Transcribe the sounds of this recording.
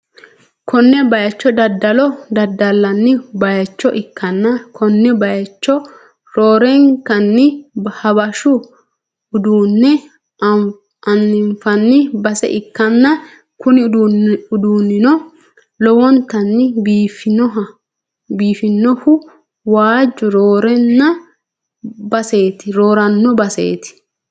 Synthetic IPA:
kʰɔnːɛbɐjɐt͡ʃːɔd̪ɐd̪ːɐlɔd̪ɐd̪ɐlːɐnːɪbɐjɐt͡ʃːɔʔɪkːɐnːɐkʰɔnːɛbɐjɐt͡ʃːɔ | ɾoːɾɛŋkɐnːɪhɐbɐʃʊ | ʊd̪uːnːɛ | ɐnːɪɱfɐnːɪbɐsɛ̰ʔɪkːɐnːɐ | kʊnɪʊd̪uːnːɪnɔ | lɔwɔnt̪ɐnːɪbfɪnɔ | biːfɪnːɔhʊ | waːd͡ʒːʊɾoːɾɛnːɐ | bɐse̞ːt̪ɪɾoːɾɐnːɔbɐsḛːt̪ɪ̥

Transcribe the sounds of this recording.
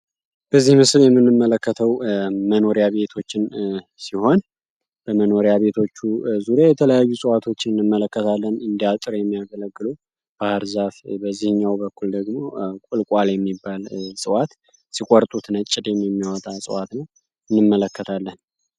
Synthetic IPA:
b̥əzːihmɨsljɛmːɨnːɨmːələkːət̪ʰəwməno̞ɾjaβe̞t̪ʰo̞t͡ʃːɪn | siho̞n | b̥əməno̞ɾjaβe̞t̪ʰo̞t͡ʃːuzuɾijajɛt̪ʰələjajːusʼɨwat̪ʰo̞t͡ʃːɪnɨnːɨmːələkːət̪ʰalːənɨnd̪ijat̪ʼɨɾjɛmːijaɡələɡːɨlu | b̥ahaɾzafbəzːihɨɲːawbəkːuld̪əɡmo̞kʷʼʊlkʼaljɛmːibːalsʼɨwat̪ | sikʼɔɾt̪ʼut̪nət͡ʃʼːɪd̪jɛmjɛmːijwɔt̪ʼasʼɨwat̪nəw | ɨnːɨmːələkʰːət̪ʰalːən

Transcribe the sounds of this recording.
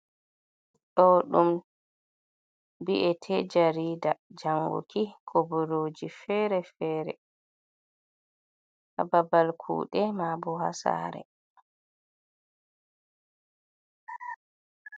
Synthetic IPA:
ɗɔɗum | biʔɛtʰɛd͡ʒaɾiːdad͡ʒaŋɡṵkikʰobɔɾoːd͡ʒifɛɾɛfɛːɾɛ̰ | ʔa̰babalkʰṵːɗɛmabɔha̰sa̰ːɾɛ̰

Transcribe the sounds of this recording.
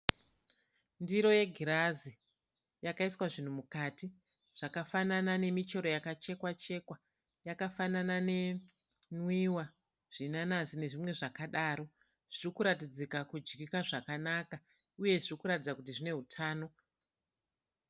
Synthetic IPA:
ndiɾo̞je̞ɡʱiɾazi | jakaiswaʐin̤umukati | ʐ̥akafananane̞mit͡ʃo̞ɾo̞jakat͡ʃe̞kwat͡ʃe̞kwa | jakafananane̞ | nwiwa | ʐ̥inanasine̞ʐimwe̞ʐakaɗaːɾo̞ | ʐ̥irikuɾatid͡zikakud͡ʒɡikaʐakanaka | uje̞ʐirikuɾatid͡zakut̬iʐine̞ɦutʰaːno̞

